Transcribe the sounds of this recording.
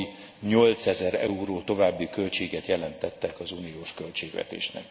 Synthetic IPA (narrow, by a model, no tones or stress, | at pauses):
i | ɲo̞lt̪sɛzɛɾɛ̰uɾoːt̪o̞vaːbːikø̞lt͡ʃeːɡɛt̪jɛlɛnt̪ɛt̪ːɛkɒzuːnijoːʃkø̞lt͡ʃeːɡvɛ̰t̪ḛːʃnɛ̰k